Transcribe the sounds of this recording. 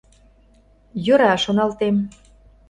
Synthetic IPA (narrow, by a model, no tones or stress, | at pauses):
jøɾɑʃonɑlt̪em